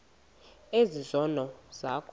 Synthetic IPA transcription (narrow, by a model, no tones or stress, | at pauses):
ezizɔnɔz̥akʰ